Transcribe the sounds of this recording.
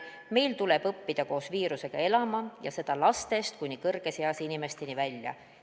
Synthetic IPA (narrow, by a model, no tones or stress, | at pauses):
me̞jlt̪ule̞b̥ɤpːid̪̥ɑko̞ːsviːɾuse̞ɡ̥ɑe̞lɑmɑjɑse̞d̪̥ɑlɑst̪e̞st̪̚kujnikɤrɡ̥e̞seɑsinime̞st̪e̞nivælʲjɑ̰